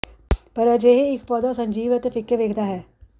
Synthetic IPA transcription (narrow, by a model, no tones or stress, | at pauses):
pɐɾəd͡ʒeːɦeɪkpɔːd̪osɐ̃ɲʲd͡ʒiːʋət̪efʰɪkːeʋeːkʰd̪aɦɛː